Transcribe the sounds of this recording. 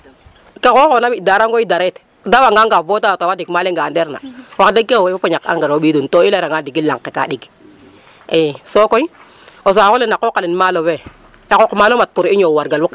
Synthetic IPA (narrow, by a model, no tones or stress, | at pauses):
kakokːnabidaɾaŋɡoidaɾet | dawaŋɡaŋɡabotawtawadikmaleŋɡandeɾna̰waktakewfopoɲaka̰ŋɡaɾoɓiduntoilaɾaŋɡadiɡila̰ŋkːeka̰ɗiɡ | esokoi | os̬akolenakːokalinmalowe | ekokmalomat̚puɾiɲowaɾɡalwuk